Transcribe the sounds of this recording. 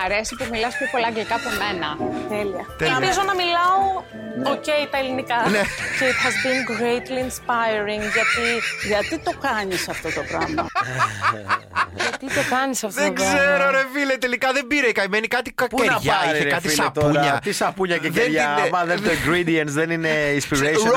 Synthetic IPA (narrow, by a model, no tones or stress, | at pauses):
mɐɾe̞sipozmilɐspçopo̞lɐːŋɡlikɐpome̞nɐt̪eliɐt̪eɐmizonɐmilɐo | oceit̪ɐelinikɐneceit̪hɐzbinɡɾejt̪liːnspajɾiŋɡʝɐt̪iʝɐt̪it̪o̞kɐɲisɐft̪o̞t̪opɾɐmɐ̰ | ʝɐt̪it̪okɐnisɐft̪ðoeoɡɾzzeɾoɾefilet̪e̞likɐðe̞mbiɾekɐimenikɐt̪iɐpenɾɐʝɐiɾsekɐt̪ilst̪ouɲɐisɐpuɲɐceeɾʝɐmɐðeoiŋɡɾid̪iɐnt̪sðenineinspiɾe